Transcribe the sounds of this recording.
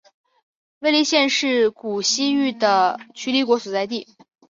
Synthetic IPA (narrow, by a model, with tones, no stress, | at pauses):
we˥ɪli˧˥ɕjɛ˥˧nʂɻ̩˥˩ku˨˩ɕi˥y˥˩d̪ə˩t͡ɕʰy˧˥li˧˥kwɔ˧˥su˨˩t͡sa˥˧ɪt̪̬i˥˩